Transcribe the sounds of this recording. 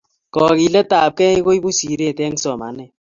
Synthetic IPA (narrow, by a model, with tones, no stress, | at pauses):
kɔ˨ki˨lɛ˦ta˨p̚kɛ˦i˦ko˦i˦bu˦si˨ɾe˦˨tɛ˦ŋ˦sɔ˨ma̰˨˦nɛ˨